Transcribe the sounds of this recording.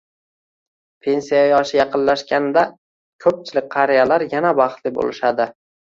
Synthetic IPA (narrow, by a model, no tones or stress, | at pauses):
pʰe̞nsijajɒʃɪjɑqʰɨnlaʃkʲanɪd̪a | kʲʰɵp̚t͡ʃʰɪlɪk̚ʲqʰɑɾijalaɾjanabɑχt̪lɪbo̰lɪʃad̪ɪ